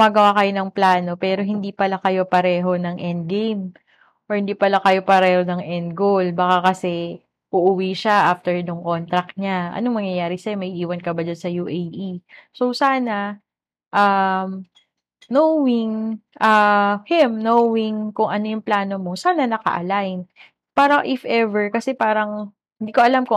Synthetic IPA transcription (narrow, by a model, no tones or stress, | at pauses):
mɐɡɐwakɐjo̞nɐŋplaːno̞pɛːɾo̞ɦɪnd̪ipɐlakɐjo̞pɐɾɛːɦo̞nɐŋʔɛnd̪̚ɡejm | ʔɔɹhɪnd̪iːpɐlakɐjo̞pɐɾɛːho̞nɐŋʔɛnd̪̚ɡowlbɐkakɐsɛ | ʔʊʔʊwiʃaʔaːft̪ɛɹnʊŋko̞nt̪ɾɐk̚ɲaʔɐ̰noŋmɐŋjɐjaːɾɪsɐjomɐjʔiːwɐnkɐbad͡ʒɐnsɐjuːʔejʔiso̞saːnɐ | ʔɐm | nowɪŋʔɐhɪmnowɪŋkʊŋʔɐnojʊŋplaːno̞mo̞saːnɐnɐkɐ̰ʔɐ̰lajn | paːɾɐŋʔɪfʔɛvɛɹkɐsɛpaːɾɐŋ | hɪnd̪iːkoʔɐlamkʊ